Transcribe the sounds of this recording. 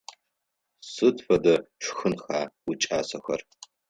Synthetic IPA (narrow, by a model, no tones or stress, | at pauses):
sɨtʰfɐdɐʂxɨnxaːwʊt͡ʃʼaːsɐxɐ̰r